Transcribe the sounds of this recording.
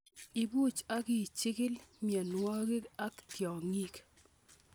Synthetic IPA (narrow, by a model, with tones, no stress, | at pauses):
i˨bu˦˨t͡ʃa˦ɡɪ˦˨t͡ʃɪ˦kɪ˦lmjɛ˨nwɔ˦ɡi˦a˦ktjɔ˨ŋi˦k